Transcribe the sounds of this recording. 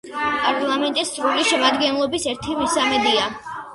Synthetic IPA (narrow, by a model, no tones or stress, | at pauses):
pʼaɾlˠamɛnt̪ʼist̪sʼɾuliʃɛmad̪ɡɛnlˠɔbisɛɾt̪ʰimisamɛd̪ia